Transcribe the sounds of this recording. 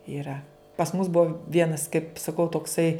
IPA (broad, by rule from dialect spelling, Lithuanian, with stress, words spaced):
ɪˈrɐ pɐs mʊs ˈbuɔ ˈʋʲiɛnɐs kɐɪp sɐˈkɐʊ toːkˈsɐɪ